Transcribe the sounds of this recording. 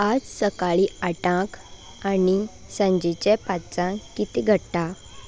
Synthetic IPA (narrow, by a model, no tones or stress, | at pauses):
ad͡zsəkaɭiaʈãk | ani | sə̃ɲd͡ʑet͡ɕepat͡sãkit̪iɡʱəɽʈa